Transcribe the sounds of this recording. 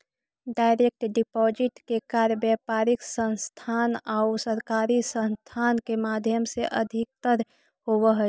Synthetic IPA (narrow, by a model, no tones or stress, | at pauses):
ɖaːɪɾek̚ʈɖɪpɔd͡ʒɪʈkekaːɾəbjɛpaːɾɪksə̃nst̪ʰanaʊsəɾkaːɾisə̃nst̪ʰaːnkemaːd̪ʱjəmseʔəd̪ʱɪk̚t̪əɾ | howəɦə